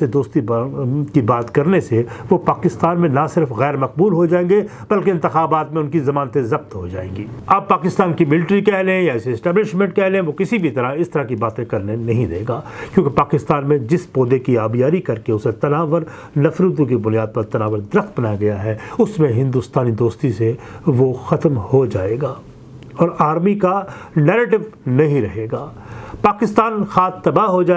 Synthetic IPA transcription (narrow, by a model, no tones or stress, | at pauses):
ed̪oːst̪ikibaːt̪kɐɾneseʋopaːkɪst̪aːnmẽnɐsɪɾfɣɛːɾmɐq̚buːlɦod͡ʒaːẽːɡe | b̥ɐlkeɪnt̪ɪxaːbaːt̪mẽʊ̃nkizɐmaːnət̪ẽzɐb̚t̪ɦod͡ʒa̰ːḛ̃ːŋɡiːɐb̚paːkɪst̪aːnkimɪlʈɾikɛɦlẽjaɪseɪsʈɛːblɪʃmɛ̃ɳʈkɛɦlẽẽʋokɪsibʱit̪ɐɾaɪst̪ɐɾakibaːt̪ẽkɐɾnenɐɦĩd̪ḛːɡaːkjõːkepaːkɪst̪aːnmẽd͡ʒɪspoːd̪ekiaːbijaːɾikɐɾkeʊset̪ɐnaːʋəɾ | nɐfɾud̪ũkibʊnijaːd̪̚pɐɾt̪ɐnaːʋəɾd̪ɪɾəxt̪̚bɐnaːjaɡɐjaɦɛʊsmẽɦɪ̃nd̪ust̪aːnid̪oːst̪iseʋoxɐt̪mhod͡ʒaːeːɡaː | ɔːɾaːɾmikanɛːɾeːʈɪʋnɐɦĩɾɐɦeːɡaː | paːkɪst̪aːnxaːt̪ːɐbaɦod͡ʒaː